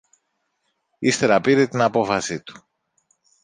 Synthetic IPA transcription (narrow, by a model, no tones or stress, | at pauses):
ist̪e̞ɾɐpiɾet̪inɐpo̞fɐsit̪u̥